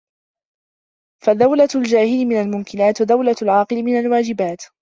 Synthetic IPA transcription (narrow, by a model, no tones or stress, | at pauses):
faðawlald͡ʒaːhɪlɪmɪnalmʊmkɪnaːt̪ðawlaalʕɑːqɨlɪmɪnalwaːd͡ʒɪbaːt̪